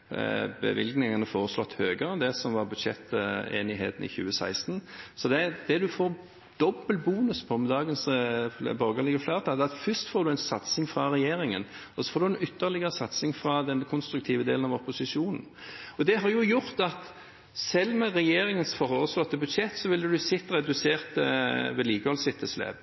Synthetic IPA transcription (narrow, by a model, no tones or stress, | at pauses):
bə̰ʋɪ̰lɡnɪŋɑnəfoːʁəslɔt̪ːhøːɡəɾəd̪ɛsɔmʋɑʁbʉd̪ʃɛt̪ːḛːnɪɦeːt̪n̩ɪ̰çʉ̰ːəsæ̰ɪst̪nsɔd̪ɛd̪̥ɛd̪ʉfoːɾ | d̪̥ɔbəlbuːnʉspʰɔmd̪ɑːɡəns | bɔɾɡəlɪɡəflæʁt̪ʰɑːd̪ɛːɑt̪fʏst̪foːɾd̪ʉɛɪnsɑt̪sɪŋfʁɑʁɛjeːɾɪŋə̰n | ɔsɔ̥foːɾd̪ʉɛnʏt̪ːəʁlɪɡəɾəsɑt̪sɪŋfɾɑd̪ɛnkʰʊnst̪ɾʉk̚t̪ʰiːʋəd̪eːlnɑʋɔpːʊsɪʃuːnn̩ɔd̪ɛɦɑɾjʊjʊʁt̪ɑt̪ | sɛlːmɛʁɛjeːɾɪŋənsfɔʁoːʁəslɔt̪ːəbʉd̪ʂɛt̪ːsɔʋɪld̪ʉd̪ʉsɪt̪ːəʁɛd̪ʉseːʁt̪ʋɛliːkəhɔlsɪt̪ʰːəslḛːb